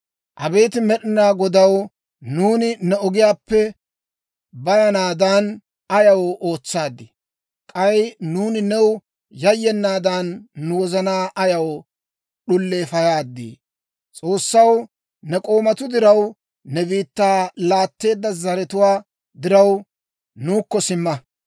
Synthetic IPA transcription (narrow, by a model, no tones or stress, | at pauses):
ʔɐbe̞ːt̪ɪmɛɗɪnaːɡɔd̪ɐw | nuːnɪnɛɔɡɪjaːpːɛ | bɐjɐnaːd̪an | ɐjɐwɔʔo̞ːt͡sːaːd̪ːɪ | kʼɐjnuːnɪnɛw | jɐjːɛnːaːd̪aːnːʊwɔzɐnaːʔɐjɐw | ɗʊlːe̞ːfɐjaːd̪ːḭː | t͡sʼo̞ːsːɐw | nɛkʼo̞ːmɐt̪ʊd̪ɪɾɐw | nɛbiːt̪ːaːlaːt̪ːe̞ːd̪ːɐzɐɾɛt̪ʊwaː | d̪ɪɾɐw | nuːkːɔsɪmːɐ